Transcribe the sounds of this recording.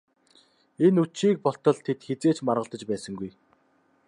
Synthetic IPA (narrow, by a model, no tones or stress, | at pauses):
enut͡ɕiːk̚pɔɬt̪ɞ̆ɮt̪ʰet̪xet͡seːt͡ɕmarʁə̆ɬt̪ə̆t͡ɕpæːsə̆ŋɡuj